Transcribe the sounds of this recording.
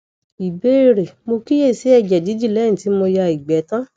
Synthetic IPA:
i˨be˨˦i˦˧˨ɾe˨mo˧ki˦je˦˨se˨˦ɛ˧d͡ʒɛ˨di˨˦d͡ʒi˦˨lɛ˨˦ĩ˨ti˨˦mo˧ja˧i˨ɡ͡bɛ˨˦tã˦

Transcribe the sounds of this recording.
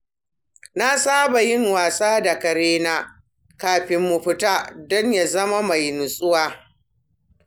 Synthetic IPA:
na˦saː˦ba˨jɪ˦ŋwaː˨sʼaː˦da˨kɐ˨ɾeː˦naː˦ | kaː˨ɸɪ˦mːu˨ɸɪ˦taː˦dɔ˦ɲja˨zɐ˦ma˦ma˨jnʊ˨sʼʊ˦waː˦

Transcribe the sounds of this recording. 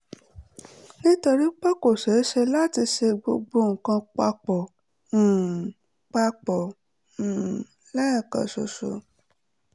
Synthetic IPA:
nĩ˦to˧ɾi˦k͡pɔ˦ko˨ʃe˨˦ʃe˧la˦ti˧ʃe˧ɡ͡bo˧ɡ͡bo˧˦ŋ̩˨kã˧k͡pa˧k͡pɔ̃˨ | k͡pa˧k͡pɔ̃˨ | lɛ˦ɛ˦˨ka̰˨so̰˨so̰˨

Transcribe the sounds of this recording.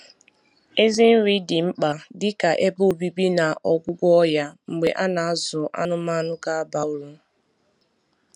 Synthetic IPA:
e˦zɪ˦n̩˦ɾi˦dɪ˨ŋ͡m̩˦k͡pa˨dɪ˦ka˨ʔe˦bʊ˦o˨bi˦bi˦na˨ʔɔ˨ɡʷʊ˦ɡʷɔ˦ja˦ŋ͡m̩˨ɡ͡be˨ʔa˦na˨a˦zʊ˨ʔa̰˦nʊ˦ma˦nʊ˦ka˦ba˨ʊ˦ɾu˦

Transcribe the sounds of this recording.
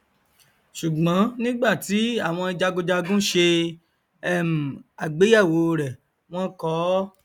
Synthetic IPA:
ʃu˨ɡ͡bɔ̃˨˦nĩ˦ɡ͡ba˦˨ti˨˦a˦˨w̃ɔ̃˧i˧d͡ʒa˧ɡo˧d͡ʒa˧ɡũ˦ʃe˧ | ɛ˦˨m̩˨a˨ɡ͡be˨˦ja˦˨wo˨˦ɾɛ˨ | w̃ɔ̃˦kɔ˦

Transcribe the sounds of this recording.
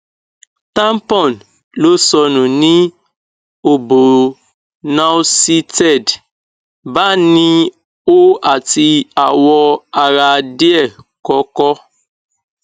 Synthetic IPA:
tã˦mpɔ̃˦˨n | lo˦sɔ˧nũ˨nĩ˦ | o˨bo˨ | na˦wsi˦tɛ˦˨d | ba˦nĩ˦ | o˦a˨ti˧a˨wɔ˧a˨ɾa˧de˦ɛ˦˨ | kɔ˦kɔ˦

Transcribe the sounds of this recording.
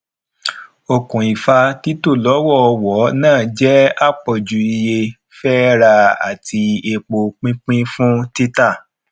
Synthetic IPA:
o˨kũ˨i˨fa˧ti˦to˦˨lɔ˨˦wɔ˦ɔ˧wɔ˨˦nãː˦˨d͡ʒɛ˦a˦˨k͡pɔ˨d͡ʒu˨˦i˧je˧ | fɛ˦ɾa˧a̰˨tʰi˧e˧k͡po˧k͡pĩ˦k͡pĩ˦fũ˦ti˦ta˦˨

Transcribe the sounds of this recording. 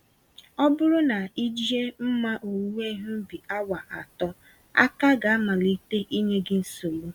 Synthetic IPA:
ɔ˦bʊ˦ɾʊ˦na˨i˦d͡ʒi˦e˦m̩˦ma˦ʔo˨wu˦e˦ɦʊ˦m̩˦bi˨a˦wa˨ʔa˨tɔ˦ | a̰˦ka˦ɡa˨a˦ma˨li˦te˦ʔi˦ɲe˦ɡɪ˦n̩˦so˨lo˦

